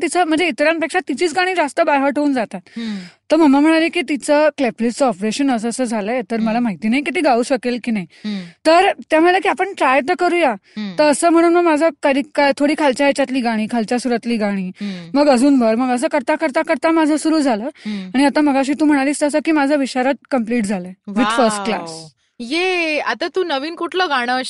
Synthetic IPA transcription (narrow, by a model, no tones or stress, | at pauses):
t̪it͡səm̤əɳd͡zeit̪ɾjanpekʂat̪it͡ɕiːt͡sɡaɽ̃iːd͡zast̪əbaɦəʈʰouːnd͡zat̪at̪t̪ːəɾm̤əmam̤əɽ̃aɾekiːt̪it͡səkleplest͡səɔpɾeɕənəs̬əsəːd͡zʱaləjet̪əɾməlamaɦit̪iːnajikit̪iːɡauːɕəkelkiːnaɦit̪əɾt̪jam̤olekiːapəɳʈɾajt̪əkəɾuːjat̪əəsəːm̤əɽ̃uːnməɡmad͡zʱəkad̪ʱikat̪ʰoɽiːkʰalt͡ɕaet͡ɕat̪liːɡaɽ̃iːkʰalt͡ɕjasuɾat̪liːɡaɽ̃iːməɡəd͡zʱuːnbʱəɾməɡəs̬əːkəɾt̪akəɾt̪akəɾt̪amad͡zʱəsuɾuːd͡zʱaləːaɽ̃iat̪aməɡaɕ̬iːt̪uːm̤əɽ̃aliːst̪əsəkiːmad͡zʱəʋiɕaɾat̪̚kəmpliːʈd͡zʱaləeʋid̪fəɾsʈ̚kla̰s | jeat̪at̪uːnəʋiːnkuʈʰləːɡaɽ̃əɕ